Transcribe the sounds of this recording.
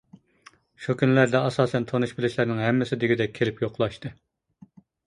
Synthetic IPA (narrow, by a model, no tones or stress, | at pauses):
ʃukʲʰynlæɾd̪ɛɑsɑːsɛnt̪ʰonuʃbɪlɪʃlæɾnɪŋɦɛmːɪsɪd̪eɡʲid̪ɛk̚ʲʰːelɪpjoqlˠɑʃt̪ɨ